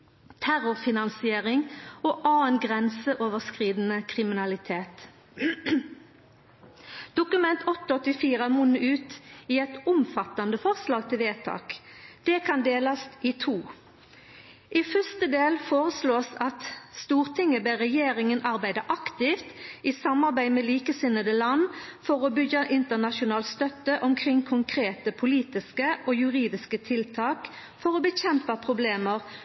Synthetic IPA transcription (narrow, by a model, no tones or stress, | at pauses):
t̪ʰæɾʊʁfɪnɑnsɪeːʁɪŋoːʔɑːɛnɡʁɛnsəʔoːʋəʁskʁiːd̪n̩əkʰʁɪmɪnɑlɪt̪ʰeːt̪ | d̪̥ʊkʉmɛnt̪ʰɔt̪ːəɔt̪ːɪfiːʁəæmʊnʉʉːt̪iːɛt̪ʊmfɑt̪ːɑnd̪əfɔʁslɑːɡt̪ʰɪlʋeːt̪ʰɑ̰ːkd̪̥ɛkʰɑnd̪eːlɑst̪ɪt̪ʰuː | ʔifœst̪əd̪eːlfoːʁəsloːsɑt̪st̪uːʁt̪ʰɪŋːəbeʁɛjeːɾɪŋənʔɑʁbæɪd̪ɑʔɑkt̪ɪft̪isɑmɑʁbæɪmɛliːkəsɪnːəd̪əlɑnːfɔʁɔbʏɡəʔɪnt̪əʁnɑʃʊnɑːlst̪œt̪ːəʔɔmkʰʁɪŋkʰʊŋkʰɾeːt̪əpʰʊliːt̪ɪskəʔoːjʉʁiːd̪ɪskət̪ʰɪlt̪ʰɑːk | fɔʁɔbəçɛmpɑpʰʁʊbleːməʁ